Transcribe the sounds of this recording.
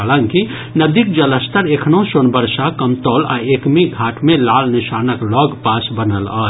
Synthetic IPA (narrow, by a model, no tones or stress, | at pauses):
aləŋki | nəd̪ik̚d͡ʒələst̪əɾekʰnõsonbəɾsakəmt̪ɔːla̰ekmiɡʱaːʈʰmẽlaːlnɪʃaːnəklɔːɡpaːsbənəlɔ̰ː